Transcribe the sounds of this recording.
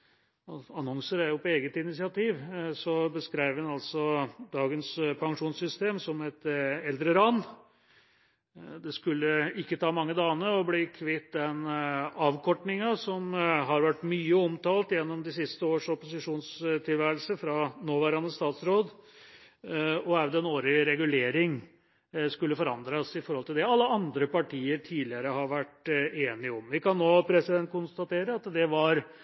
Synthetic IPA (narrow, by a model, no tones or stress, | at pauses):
ɑnɔŋsəɾæɾjʊpʰɔeːɡət̪ɪnɪsɪɑt̪iːʋsɔbəskɾæɪʋɛnɑlsɔd̪ɑːɡənspʰɑŋʂuːnsʏst̪eːmsɔmɛt̪ɛld̪ɾəɾɑnː | d̪ɛskʉlːəɪkːət̪ʰɑːmɑŋːəd̪ɑːnəɔblɪkʰʋɪt̪̚d̪ɛnɑːʋkʰɔʈɳɪŋɑsɔmɦɑɾʋæʈːmyːəɔmt̪ʰɑːlt̪jɛnːɔmd̪ɪsɪst̪əoːʂɔpʊsɪʂuːnst̪ʰɪlʋæːɾəlsəfɾɑnoːʋæːɾɑnəst̪ɑːt̪sɾoːd̪ | ɔæʋd̪ɛnoːɾɪɾɛɡʉleːɾɪŋ | skʉlːəfɔɾɑnd̪ɾɑsɪfɔɾɔlt̪ɪld̪ɛɑlːəɑnd̪ɾəpɑʈʰiːəɾʈʰiːd̪lɪəɾəɦɑɾʋæʈeːnɪəɔmʋɪkɑnːoːpʰɾɛsɪd̪ɛnt̪̚kʰʊnst̪ɑt̪ʰeːɾəɑt̪d̪ɛʋɑɾ